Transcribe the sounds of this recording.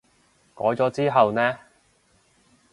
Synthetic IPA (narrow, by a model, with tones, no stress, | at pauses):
kɔ̰ː˨˥jt͡sɔː˨˥t͡siː˥ɦɐ˨wnɛː˥